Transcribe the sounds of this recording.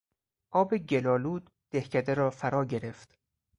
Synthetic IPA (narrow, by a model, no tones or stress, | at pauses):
ʔɒːbe̞ɟe̞lɒːluːd̪ | d̪̥e̞hcʰæd̪eɾɒːfæɾɒːɟe̞ɾe̞ft̪